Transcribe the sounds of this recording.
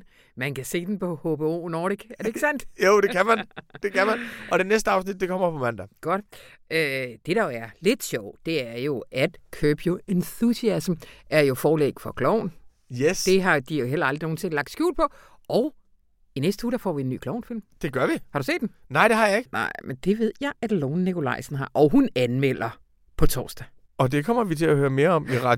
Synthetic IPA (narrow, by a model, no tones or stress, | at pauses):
mænkæse̝̰ːd̥en̩pʰɒ̽hob̥eo̰ːnɒːɾ̥iɡ̥æɐdeɡ̥sæn̰d̥joʊd̥ekʰæmænd̥e̝kʰæmænɒ̽ɾ̥e̝nesd̥əɑ̈ʊs̬nid̥̚ːe̝kʰɒ̽m̰ɐfɒmænd̥æɡ̥ɒ̽d̥ | ʔød̥e̝ɾ̥ɑ̈joæɐle̝d̥ɕɒʊ̰d̥e̝æɐjo̝æd̥kʰøːb̥joenθusiæsm̩æɐjo̝fɒːlḛːɡ̥fɒ̽kʰlɒʊ̰n | jesd̥e̝ɦɑ̈d̥ijo̝ɦelɐɑld̥ʁio̝ːn̩se̝ŋlɑ̈ɡ̥̚d̥sɡ̥jṵːlpʰɒ̽ | ʔɒ̽ʊ | inesd̥ə̥huːd̥ɑ̈fɒ̰ːʋie̝nːy̰ːkʰlɒʊ̰nfil̰md̥e̝ɡ̥ɶɐʋihɑ̈ɾ̥usḛːd̥ennɑɪ̰d̥ehɑ̈jɑ̈eɡ̥nɑ̰ɪ̰mʔend̥e̝ʋe̝ð̞̰ˠjɑ̈ɪʔæd̥loːnːikʰo̝lɑ̈ɪsn̩ɦɑ̈ʔɒʊɦunænmel̰ɐ | pʰɒ̽t͡sʰɒ̰ːsd̥æ | ɒ̽d̥e̝kʰɒm̰ɐʋit͡sʰe̝læhøːɐme̝ːɐɒ̽miʁɑ